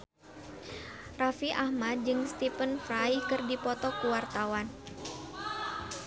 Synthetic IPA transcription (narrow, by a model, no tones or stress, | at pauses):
rafiʔahmad̪̚d͡ʒɨŋst̪ifənfɾajkɨrdipɔt̪ɔkuwart̪awan